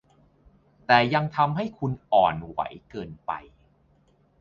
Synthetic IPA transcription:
t̪ɛː˨˩ja˧ŋt̪ʰa˧mɦa˥˩jkʰu˧nʔɔː˨˩nwa̰˩˦jkɤː˧npa̰˧j

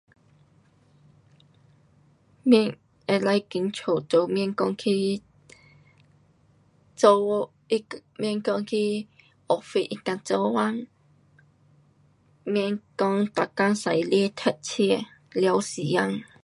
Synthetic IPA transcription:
mɛ˥˧ŋ | e˨˩la˧jki˨˦nt͡ɕʰo˨˩t͡so˧wmɛ˥˧˨ŋkɔ˧ŋkʰi˦ | t͡so˧ | i˦mɛ˥˧ŋkɔ˧ŋkʰi˦˥ | ʔɔ˨˩fe˧ʔi˧ka˧nt͡sɔ˧wa˦n | mɛ˧nkɔ˧ŋt̪a˨˩ka˦˥ŋsa˨jli˥˦t̪ʰɛ˧˩t̚t͡ɕʰi˥˩ | lja˧˦wsi˨˩ja˧ŋ

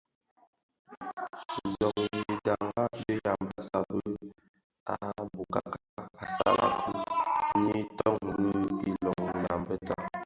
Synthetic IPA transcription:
zɔ˨ki˨da˨ŋɡa˦bə˦ja˨mbə˦sa˨bə˦ | a˦˨bu˨ka˨ka˦ka˨sa̰˦la̰˨ku˦ni˦tɔ˦ŋ˨˦i˦lɔ˨ŋ˨na˨mbə˦ta˦˨

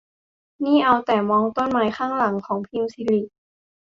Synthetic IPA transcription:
niː˥˩ʔa˧wt̪ɛː˨˩mɔː˧ŋt̪o˧˥˩nmaː˨˦jxʰaː˥˩ŋla˨˩˦ŋkʰɔː˩˦ŋpʰiː˧˥˨msiː˧˦li˧˩ʔ̚

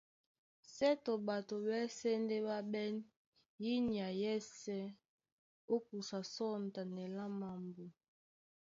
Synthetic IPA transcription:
sɛ˦to˨ba˨to˨bɛ˦sɛ˦ndɛ˦ba˦bɛ˦n | ji˦ni˨a˨jɛ˦sɛ˦ | o˦k̚u˨sa˨sɔ˦n˨ta˨nɛ˨la˦ma˨mbo˨

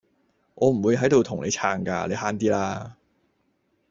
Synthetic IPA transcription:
ʔɔː˨˧m̩˨˩wu˨˧jɦɐ˨˥jt̪o˨wt̪ʰʊ˨˩ŋlʔe˨˧jt͡sʰaː˧ŋka̰ː˧le˨˧jɦaː˥nt̪iː˥laː˥

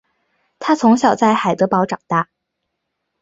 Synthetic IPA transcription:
t̪ʰa˥t͡sʰʊ˧˥ŋɕjɑ˨˩ʊt͡sa˥˩ɪxa˨˩ɪt̪ɤ˧˥pɑ˧˥ʊʈ͡ʂɑ˨˩ŋt̪a˥˩

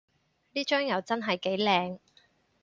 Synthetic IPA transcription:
liː˥t͡ʃœː˥ŋjɐ˨˧wt͡sɐ˥nɦɐ˨jke˨˥jlɛː˨˧ŋ

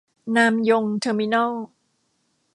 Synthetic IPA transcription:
naː˧mjo˧ŋt̪ʰɤː˧mi˧na˥˩l

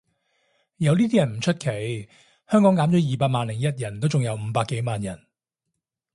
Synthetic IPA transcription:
jɐ˨˧wliː˥iː˥jɐ˨˩nm̩˨˩t͡ʃʰɵ˥t̚kʰe˨˥j | hœː˥ŋkɔː˨˥ŋkaː˨˥mt͡ʃɔː˨˥jiː˨paː˧t̚maː˨˧nlɪ˨˩ŋjɐ˥t̚jɐ˨˩nt̪o˥wt͡sʊ˨ŋjɐ˨˧wm̩ː˨˧˦paː˧kːe˨˥jmaː˨˧njɐ˨˩n

